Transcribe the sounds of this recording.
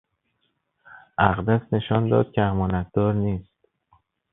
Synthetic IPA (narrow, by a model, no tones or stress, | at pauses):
ʔæɣd̪æsne̞ʃɒːnd̪ɒ̰ːd̪̥̚cʰʲeæmɒːnæt̪̚d̪ɒːɾniːst̪